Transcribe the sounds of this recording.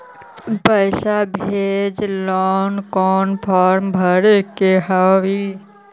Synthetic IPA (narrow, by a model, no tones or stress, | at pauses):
pəʃabʱed͡ʒlɔːnkɔːnpʰɔːɾmbʱəɾekeɦaʋi